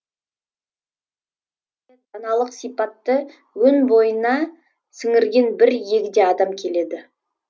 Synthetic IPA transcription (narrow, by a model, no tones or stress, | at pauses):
enɑnɑlˠəqsijpɑt̪ːə | wɵnbo̞jənɑ | sɪŋɪɾɡʲe̞nbɪɾje̞kʲɪd̪e̞ɑd̪ɑmkʲʰe̞le̞d̪ɪ